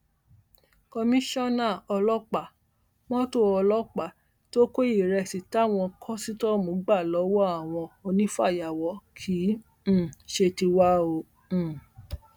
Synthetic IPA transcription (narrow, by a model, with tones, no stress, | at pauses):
kɔ˧mĩ˦ʃɔ̃˦nã˦˨ɔ˧lɔ˦k͡pa˨ | mɔ̃˦to˦ɔ˧lɔ˦k͡pa˨ | to˦ko˦i˨ɾɛ˧˨si˨ta˦˨w̃ɔ̃˧kʰɔ˦si˦tɔ˦mũ˨˦ɡ͡ba˦˨lɔ˨˦wɔ˦a˦˨w̃ɔ̃˧o˧nĩ˦fa˦˨ja˨wɔ˨˦kʰĩ˨˦˨ | ʃe˧ti˧wa˦õ˧˨